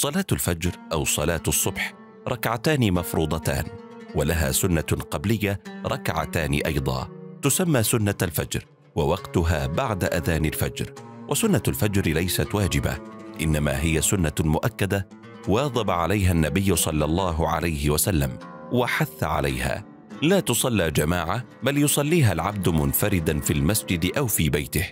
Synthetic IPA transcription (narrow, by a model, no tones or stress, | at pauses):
sˤɑlaːt̪alfad͡ʒɾʔawsˤɑlɑːt̪ɑsˤːʊbħ | ɾˤɑkʕat̪aːnimɑfɾuːd̪ˤɑt̪a̰ːn | walaɦa̰ːsʊnːaqɑblɪjːaɾˤɑkʕa̰t̪aːnḭʔɑjd̪ˤɑ̰ːt̪ʊsamːaːsʊnːalfad͡ʒɾ | wawɑqt̪ʊɦaːbaʕd̪aʔaðaːnɪlfad͡ʒɾwʔasʊnːalfad͡ʒɾlajsat̪waːd͡ʒɪba̰ʔɪnːama̰ːɦɪjasʊnːamʊʔakːad̪a | wɑːðˤɑbaʕalajɦanːabɪjːʊsˤɑlːɑlˤːɑːɦʕa̰lajɦɪwasalːa̰mwaħaθːa̰ʕa̰la̰jha̰ː | laːt̪ʊsˤɑlːiːd͡ʒamaːʕa | baljʊsˤɑlːiːɦalʕab̚d̪mʊnfaɾɪd̪anfilmasd͡ʒɪd̪ʔawfiːbajt̪ɪh